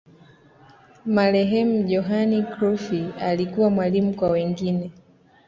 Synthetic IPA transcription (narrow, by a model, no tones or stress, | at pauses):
malɛɦɛm̩ʄɔɦanikɾufialikuwamwalimukwawɛŋɡinɛ